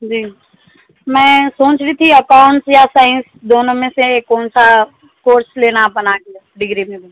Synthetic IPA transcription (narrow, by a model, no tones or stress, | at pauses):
d͡ʒiː | mɛ̃ːsõːt͡ʃɾit̪ʰiəkaːʊɳʈsjasaːɪ̃nsd̪oːnõmẽseeːkːɔːnsa | koːɾsleːnabənakiaɖɪɡɾimẽbẽ